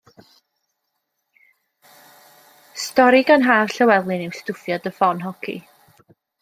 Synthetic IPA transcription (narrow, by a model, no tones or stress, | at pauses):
stɔɾiɡanɦaːv̥ɬəwɛlˠɨnewstʊfjɔdəfɔnɦɔkʰḭ